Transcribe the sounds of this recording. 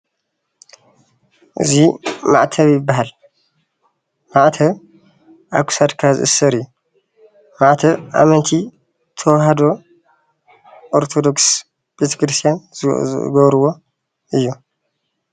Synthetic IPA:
ʔɨ̰zima̰ʕt̪ʰɐβjɪbːaɦal | maʕt̪ʰɐβ | ʔakʰu̥sad̪kʰazɨ̰ʔɨ̰sːɐɾɨjːu | maʕt̪ʰɐβʔa̰mɐnt̪ʰi | t̪ʰɐwɦad̪o̞ | ʔoɾt̪ʰod̪oks | b̥et̪ʰɐ̥kɾɨst̪ʰijan | ɡɐβɾuwo̞ | ʔɨjːu

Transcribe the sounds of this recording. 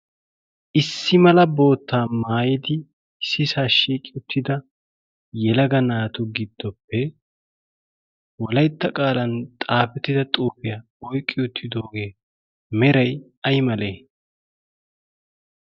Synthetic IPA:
ʔɪsːɪmɐlɐbo̞ːt̪ːaːmaːjɪd̪ɪ | sɪsaːʃiːkʼːɪʊt̪ʰːɪd̪ɐ | jɛlɐɡɐnaːt̪ʊɡɪd̪ːɔpːɛ | wɔlɐjt̪ːɐkʼaːlɐnt̪ʼaːfɛt̪ːɪd̪ɐt̪ʼuːfɪjɐ | ɔjkʼːɪʊt̪ʰːɪd̪o̞ːɡeː | mɛɾɐj | ɐjmɐleː

